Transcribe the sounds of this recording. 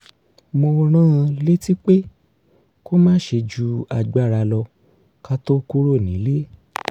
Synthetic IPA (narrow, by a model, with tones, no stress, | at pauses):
mo˧ɾ̃ã˦˧le˦ti˦k͡pe˦ | ko˦mãː˦ʃe˧d͡ʒu˧˦a˧ɡ͡ba˦˨ɾa˧lɔ˧ | ka˦to˦ku˦ɾo˦˨nĩ˨˦le˦